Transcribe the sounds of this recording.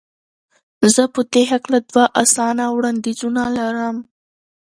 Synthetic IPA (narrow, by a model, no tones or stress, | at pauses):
zəpət̪eɦaklad̪waʔasɑnawɽand̪izunalaɾəm